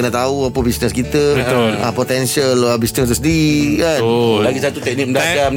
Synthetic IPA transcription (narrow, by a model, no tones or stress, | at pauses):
ənət̪auapəbisnəskit̪əbəoapot̪ɛnsiəlabisnəs̬t̪usəndiɾikanlaɡisat̪ut̪ɛk̚nik̚mədaɡam